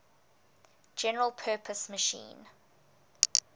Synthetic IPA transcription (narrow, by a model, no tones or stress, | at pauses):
d͡ʒɛnəɹəlˠpʰɜːˑpʰəsməʃḭ̃ːn